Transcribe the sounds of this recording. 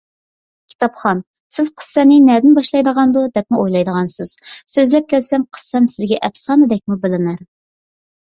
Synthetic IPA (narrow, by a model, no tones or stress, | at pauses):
kʲʰi̥t̪ɑpχɑn | sɪz̥qʰə̥sːɛnɪnɛd̪ɪnbɑʃlˠɑjd̪əʁɑnd̪ud̪ɛp̚muojlˠɑjd̪əʁɑnsɨz̥søzlɛp̚kʲʰɛlsɛmqʰə̥sːɛmsɪzɡʲɛʔɛfsɑːnɨd̪ɛk̚ʲmubɪlɪnæɾ